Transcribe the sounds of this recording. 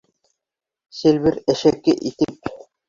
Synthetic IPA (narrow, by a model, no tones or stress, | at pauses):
selʲβɘɾæʃækːɘʔit̪ɘp̚